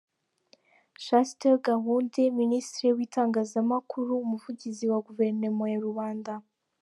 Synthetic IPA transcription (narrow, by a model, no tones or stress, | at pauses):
ʃasteɾɡaɦuːnde̞ministɾewiːtaːŋɡaːzamakʰuɾuumuvuɟiziwaɡuve̞ɾnemojaɾuβaːnda